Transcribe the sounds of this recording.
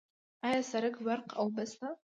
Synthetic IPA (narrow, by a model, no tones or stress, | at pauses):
ajasaɾɨkbarqʰʼawbasta